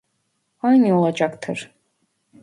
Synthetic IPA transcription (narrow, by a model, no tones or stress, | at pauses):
hajniolˠad͡ʒakt̪ʰɯɾ